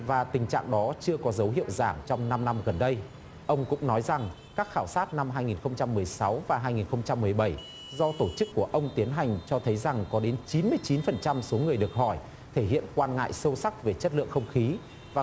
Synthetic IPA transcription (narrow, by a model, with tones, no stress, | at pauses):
vaː˨˩t̪ï˨˩ŋ̟t͡ɕa̰ː˧˨ŋɗɔ˨˦t͡ɕɨ˧əkɔ˨˦zə˨˦wɦḭ˧˨əwzaː˧˩mt͡ɕɔ˧wŋ͡mna˧mna˧mɣə˨˩nɗə˧j | ʔə˧wŋ͡mkʊ̰˧˥ŋ͡mnɔ˨˦jza˨˩ŋ | kaː˦˥k̚xaː˧˩wsaː˦˥t̚na˧mɦaː˧jŋi˨˩nxə˧wŋ͡mt͡ɕa˧mːɨ˨˩əjsa˨˦wvaː˨˩ɦaː˧jŋi˨˩nxə˧wŋ͡mt͡ɕa˧mːɨ˨˩əjɓə˧˩j | zɔ˧t̪o˧˩t͡ɕɨ˦˥kːu˧˩əʔə˧wŋ͡mt̪i˨˦ənɦa˨˩jŋ̟t͡ɕɔ˧t̪ʰə˨˦jza˨˩ŋkɔ˨˦ɗe˨˦nt͡ɕi˨˦nmɨ˧əjt͡ɕi˨˦nfə˨˩nt͡ɕa˧mso˨˦ŋɨ˨˩əjɗɨ˨˩ək̚hɔ˧˩j | t̪ʰe˧˩ɦḭ˧˨ənkwaː˧nŋa̰ː˧˨jsə˧wsa˦˥k̚ve˨˩t͡ɕə˦˥t̚lɨ̰˧˨əŋxə˧wŋ͡mxi˨˦ | vaː˨˩